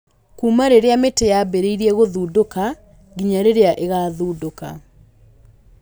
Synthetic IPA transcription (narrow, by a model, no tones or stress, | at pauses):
kuːmaɾeɾeametejabeɾeiɾiɛɣoðuːdoka | ɡiɲaɾeɾeaʔeɣaːðuːdoka̰